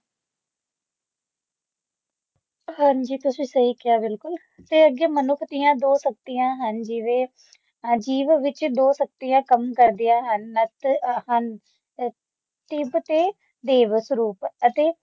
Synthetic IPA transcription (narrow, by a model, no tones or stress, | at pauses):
hãnd͡ʒiːt̪ʊsʋiːsəiːkɪaːbɪlkʊl | t̪eːəɡeːmənʊkʰt̪ijãːd̪oːsək̚t̪ijãːɦənd͡ʒiʋeː | d͡ʒiːʋʋɪt͡ʃd̪oːsək̚t̪ijãːkəmkəɾd̪ijãːɦənːət̪hən | t̪ɪbt̪eː | d̪eːʋəsɾuːpət̪eː